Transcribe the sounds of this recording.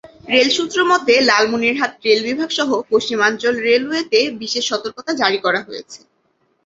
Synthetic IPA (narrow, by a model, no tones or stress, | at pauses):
ɾelʃut̪ːɾomɔt̪elalmuniɾɦat̪ɾelbibʱaɡʃɔɦopoʃt͡ɕimant͡ɕolɾeluet̪ebiʃeʃːɔt̪oɾkot̪ad͡ʑaɾikɔɾaɦojḛt͡ɕʰe̥